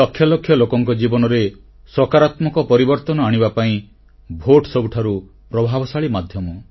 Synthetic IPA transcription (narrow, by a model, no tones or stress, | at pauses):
ɔkʰːjɔlokʰjɔlokɔŋkɔd͡ʒibɔnɔɾe | sɔkaɾat̪mɔkɔpɔɾibɔɾt̪ɔnɔaɽ̃ibapaĩ | bʱoʈsɔbuʈʰaɾu | pɾɔbʱabɔsaɭimad̪ʱjɔmɔ